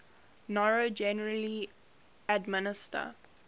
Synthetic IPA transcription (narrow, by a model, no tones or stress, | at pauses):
nɔɹod͡ʒɛnəɹəli | ədmɪnɪstə̰